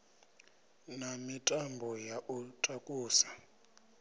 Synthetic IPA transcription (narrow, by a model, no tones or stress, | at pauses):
namitʼambʱɔjaʔutʼakʼuːsḁ